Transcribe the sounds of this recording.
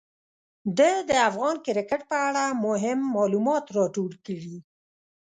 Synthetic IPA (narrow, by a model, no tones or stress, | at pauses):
d̪əd̪əafɣɑnkɪɾɪkəʈ̚pəaɽamʊɦɪmːɑlumɑt̪ɾɑʈoɽkəɽi